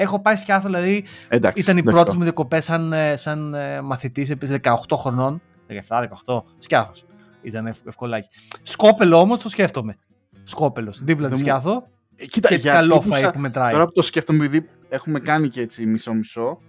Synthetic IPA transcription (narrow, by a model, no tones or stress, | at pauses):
e̞xo̞pɐiscɐθoðilɐðied̪ɐ̰ksit̪ɐnipɾo̞t̪ezmuðjɐko̞pe̞sːɐnsɐnmɐθit̪is̬epiizðekɐoxt̪o̞xɾo̞no̞n | ðekɐeft̪ɐðekɐoxt̪o̞ | scɐθos | it̪ɐneefkolɐci̥ | sko̞pe̞lo̞o̞mo̞st̪o̞sce̞ft̪o̞me̞ | sko̞pe̞lo̞sðiplɐt̪iscɐθo̞ | cit̪ɐeʝɐkɐlofɐipume̞t̪ɾɐjoɾɐpot̪osceft̪omepiði | e̞xume̞kɐniceet͡simiso̞miso̞